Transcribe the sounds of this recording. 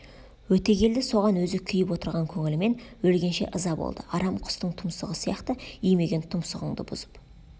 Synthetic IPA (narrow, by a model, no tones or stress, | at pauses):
wɵt̪e̞ɡʲe̞ld̪ɪso̞ʁɑnwɵzɪkʲʰʏjɪpwo̞t̪əɾʁɑŋkʲʰɵŋɪlɪme̞nwɵlɡʲe̞nʃe̞̰ʔəzɑbo̰lˠd̪əɑɾɑmqʰʊ̥st̪əɴt̪ʰʊmsəʁəsijɑqt̪əijme̞ɡʲe̞nt̪ʰʊmsəʁəɴd̪ə̰bʊ̰zə̥p